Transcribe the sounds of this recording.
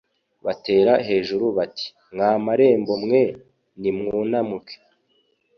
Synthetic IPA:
βate̞ːɾaɦe̞ːʒuɾuβatʰi̥ | ŋaːmaɾe̞ːmbo̞mŋe̞ | nimŋuːnamuke̥

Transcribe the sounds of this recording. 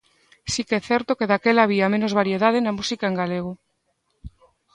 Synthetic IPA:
sikɛθɛɾt̪okeðakelaβiamẽnozβaɾjeðaðenamusikaeŋɡaleɣ̞o

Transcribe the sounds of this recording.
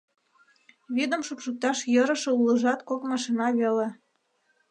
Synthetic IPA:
βed̪ə̆mʃupʃuk̚t̪ɑʃjəɾə̆ʃɤ̆ulə̆ʒɑt̪kokmɑʃinɑβele

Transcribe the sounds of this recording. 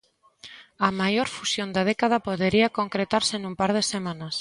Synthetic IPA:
amajoɾfusjond̪að̞ekað̞apoðeɾiakoŋkɾet̪aɾsenũmpaɾð̞esemãnas

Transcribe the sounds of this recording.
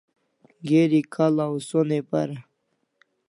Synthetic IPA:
ɡeɾikʰalawsonepa̰ɾa

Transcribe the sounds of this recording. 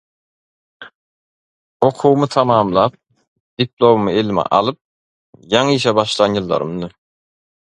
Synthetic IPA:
o̞qʰuwmɯt̪ʰɑmɑːmlˠɑːp̚ | d̪̥iplˠo̞mumɯelmɛ̰ʔɑ̰lˠɯp̚ | jɑŋiːʃ̬ɛbɑʃlˠɑnjɯlˠːɑ̰ɾɯ̰mnɯ

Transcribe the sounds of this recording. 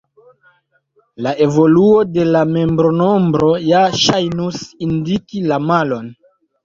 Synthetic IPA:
lae̞vo̞luo̞de̞lame̞mbɾo̞no̞mbɾo̞jaʃajnusindikilamalo̞n

